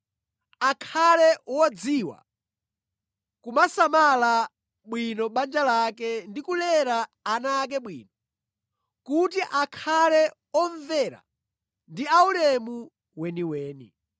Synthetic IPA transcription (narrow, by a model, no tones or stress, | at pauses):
akʰalɛwɔd͡ziwa̰ | kumasamala | ɓwinɔɓand͡ʒalakɛndikulɛɾaːnaːk̬ɛɓwḭːnɔ | kutiʔakʰalɛ | ɔɱvɛɾa̰ | ndiaulɛmu | wɛniwɛːnḭ